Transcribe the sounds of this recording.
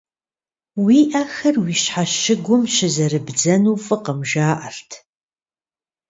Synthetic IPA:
wiːʔɐxɐrwiːɕħaʃɪɡʷʊmʃɪzɐrɨbd͡zɐnuːfʼɨqəmʒaːʔɐrtʰ

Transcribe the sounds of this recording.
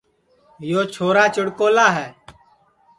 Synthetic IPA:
joːt͡ʃʰoːɾaːt͡ʃəɽkoːlaːɦɛː

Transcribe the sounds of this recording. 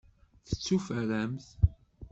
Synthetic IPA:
θə̥t͡sːufəɾæmθ

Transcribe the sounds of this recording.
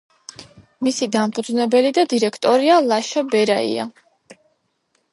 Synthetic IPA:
misid̪ampʼud̪znɛbɛlid̪ad̪iɾɛkʰt̪ʼɔɾialˠaʃabɛɾaḭa̰

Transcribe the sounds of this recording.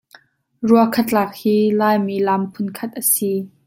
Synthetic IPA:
ruəkʰɐt̪̚laːk̚hiːlaːjmilɐmpʰʊnkʰɐt̪̚ʔəsi

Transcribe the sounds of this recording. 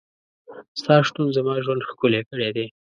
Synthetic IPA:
st̪ɑʃt̪unzamɑʒwand̪xkulekəɽed̪e

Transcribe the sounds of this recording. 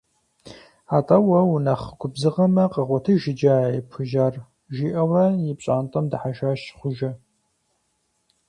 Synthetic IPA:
aːtʼɐwɐwunɐχɡʷʊbzɨʁɐmɐqəʁʷɔtʰɨʒɪd͡ʒɐajpʰʊʒaːr | ʒiːʔɐwɐjɪpɕʼaːntʼɐmdɨħaʃaːʃχʷʊʒɐ

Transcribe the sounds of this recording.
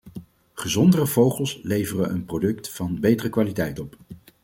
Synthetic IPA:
χəzɔndərəv̥owχəlˠslejvərəʔənprodɵktfɑnbejtərəkʋaːlitɛjtɔp

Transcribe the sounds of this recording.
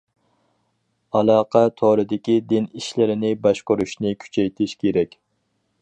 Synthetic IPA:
ɑlˠɑːqʰɛt̪ʰoɾɨd̪ɪkʲid̪ɪniʃlɪɾɪnɪbɑʃqʊɾuʃnɪkʲʰy̥t͡ʃʰɛjt̪ʰɪʃkʲʰeɾɛkʲ

